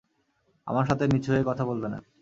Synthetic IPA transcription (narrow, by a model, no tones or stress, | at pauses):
a̰maɾʃat̪emit͡ɕʰoekɔt̪ʰabolt̪ena̰